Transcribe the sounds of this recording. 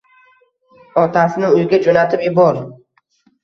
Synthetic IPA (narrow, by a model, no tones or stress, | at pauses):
ɒt̪ʰasɪnɪʊjɡʲad͡ʒonat̪ʰɪpjɪbɒɾ